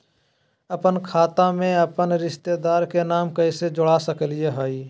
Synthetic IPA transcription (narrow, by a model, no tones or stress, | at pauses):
əpənkʰaːt̪ãmẽəpənɾɪʃt̪ed̪aːɾkenaːmkəɪsed͡ʒʊɽasəklijeɦoːiː